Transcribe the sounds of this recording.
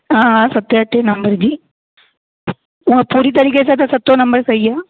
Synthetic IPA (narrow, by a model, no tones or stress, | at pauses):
aːasɐt̪ːjaːʈːenɐmbɐɾd͡ʒi | ʊŋɡɐpuɾit̪̬ɐɾikeːsɐt̪ːɐsɐt̪ːoːnɐmbɐɾsɛjːaː